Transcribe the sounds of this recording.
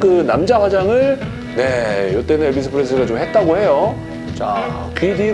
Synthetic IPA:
kɯnamd͡ʑaɸwad͡ʑaŋɯɭ | ne̞jot͈e̞nɯnebisʰɯpʰɯɾesʰɯɡat͡ɕomhe̞t̚t͈aɡohe̞jo | t͡ɕa̰ | kidi

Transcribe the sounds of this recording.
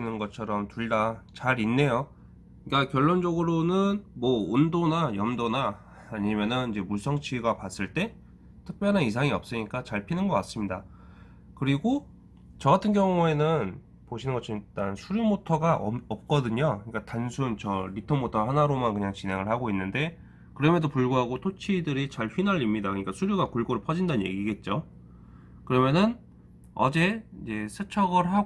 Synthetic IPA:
nɯnɡʌt͡ɕʰʌɾʌmtuɭdat͡ɕaɾinːe̞jo | ik͈akjʌɭːond͡ʑʌɡɯɾonɯnmʌondonajʌmdona | aɲimjʌnɯnid͡ʑe̞muɭs͈ʰʌŋt͡ɕʰiɡapas͈ɯɭt͈e̞ | tʰɯk̚p͈jʌnɦanis̬ʰaŋiʌp̚s͈ɯɲik͈at͡ɕaɭpʰinɯnɡʌk͈ats͈ɯmɲida | kɯɾiɡo | t͡ɕʌɡatʰɯnɡjʌŋue̞nɯn | poɕʰinɯnɡʌt͡ɕʰʌit͈ansʰuɾjumotʰʌɡaʔʌp̚k͈ʌdɯɲoɯɲik͈atansʰunt͡ɕʌɾitʰomotʰʌɦanaɾomankɯɲaŋt͡ɕine̞ŋɯɭhaɡoinːɯnde̞ | kɯɾʌmjʌndopuɭɡuɦaɡotʰot͡ɕʰidɯɾit͡ɕaɭɸɥinaʎimɲidakɯɲik͈asʰuɾjuɡakuɭɡoɾɯɭpʰʌd͡ʑindanɲje̞̰ɡiɡe̞t̚t͡ɕ͈o | kɯɾʌmjʌnɯn | ʌ̰d͡ʑe̞id͡ʑe̞sʰɯt͡ɕʰʌɡʌɾɦa

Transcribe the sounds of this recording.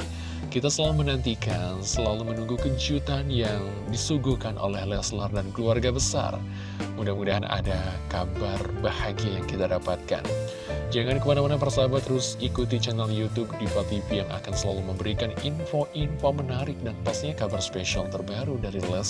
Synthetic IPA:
kit̪asəlalumənant̪ikansəlalumənuŋɡukəɲd͡ʒut̪anjaŋ | disuɡuhkanʔo̰lɛhlɛslardankəluarɡabəsa̰r | mudahmudaɦanʔa̰dakabarbahaɡiajaŋkit̪adapat̪̚ka̰n | d͡ʒaŋankəmanamanapərsabat̪əɾʊsikut̪it͡ʃənaŋjut̪ub̚difat̪ifijaŋʔa̰kansəlaluməmbəɾikaninfoʔinfomənaɾɪk̚danpast̪iɲakabarspeʃialt̪ərbaɾudaɾilɛs

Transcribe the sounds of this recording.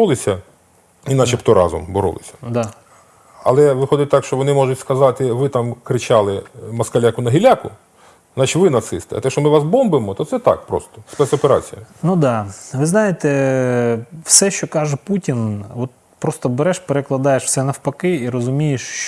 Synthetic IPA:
ulˠɪsʲɐ | inɑʃipt̪ɔɾɑ̰zɔ̰mbɔɾɔ̰lˠɪ̰sʲɐ̥d̪ɑ | ɐ̰lˠɛʋɪxɔd̪ɪt̚ʲt̪ɑkʃt͡ʃɔʋɔnɪmɔʒʊtʲskɐzɑt̪ɪʋɪt̪ɑmkɾɪt͡ʃɑlˠɪmɐskɐlʲakʊnɐɦilʲakʊ | znɑt͡ʃɪtʲʋɪnɐt̪sɪst̪ɪ̰ɐ̰t̪ɛʃɔmɪʋɑsbɔmbɪmɔt̪ɔt̪sɛt̪ɑ̰kpɾɔ̰st̪ɔ̥spɛsɔpeɾɑ̰t͡sʲijɐnud̪ɑʋɪznɑjɪt̪ɛ | wsɛʃt͡ʃɔkɑʒɛputʲinɔt̪̚ | pɾɔst̪ɔbeɾɛʃpeɾeklˠɐd̪ɑjeʃw̥sɛnɐwpɐkɪiɾɔzʊmʲijeʃ

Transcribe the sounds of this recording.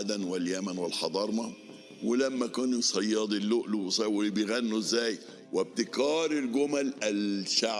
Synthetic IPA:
d̪ænwɪljæmænwɪlħɑd̪ˤɑɾˤmɑ | welæmːækæːninsˤɑjːɑːd̪ˤilːoʔluwsˤæwbejɣænːuzːæːj | web̚t̪ɪkɑːɾˤɪlɡʊmælælʃaʕ

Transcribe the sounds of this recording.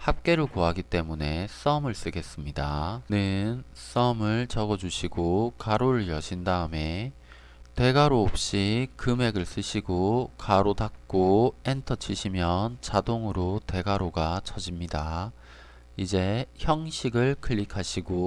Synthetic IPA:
hap̚k͈e̞ɾɯkoaɡit͈e̞mune̞s͈ʌmɯɭs͈ɯɡe̞s͈ɯmɲidanɯns͈ʌmɯɭt͡ɕʌɡʌd͡ʑuɕʰiɡokaɾoɾɯɭjʌɕʰindaɯme̞ | te̞ɡaɾoːp̚ɕ͈ikɯme̞ɡɯɭs͈ɯɕʰiɡokaɾotak̚k͈oe̞ntʰʌt͡ɕʰiɕʰimjʌnt͡ɕadoŋɯɾote̞ɡaɾoɡat͡ɕʰʌd͡ʑimɲida | id͡ʑe̞çjʌŋɕʰiɡɯɭkʰɯɭːikʰaɕʰiɡo

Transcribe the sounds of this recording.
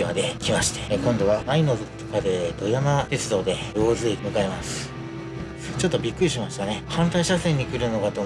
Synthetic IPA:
imad̪e̞kʲimaɕi̥t̪e̥kõ̞nd̪o̞βaaino̞zɨt̪o̥kad̪e̞d̪o̞janat̪e̞t͡sɨd̪o̞ːd̪e̞jo̞ːzɨimɯ̟kaemasɨ̥ | t͡ɕo̞t̪ːo̞bʲikːɯ̟ɾʲiɕimaɕi̥t̪ane̞hãnt̪aiɕasẽɲ̟ːikɯ̟ɾɯ̟no̞kat̪o̞

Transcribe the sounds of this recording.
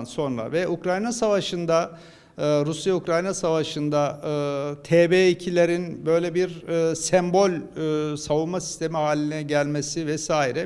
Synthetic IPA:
nso̞nɾa̰vɛukɾajnasavaʃɯnd̪a | ɯɾusjaukɾajnasavaʃɯnd̪aɯt̪ʰeːbeːicʰilʲeɾinbø̞jlʲeɛbiɾsɛmbo̞lʲːsavunmasi̥st̪ʰe̞miɦaːlʲinɛɟælʲmesivɛsaːiɾɛ

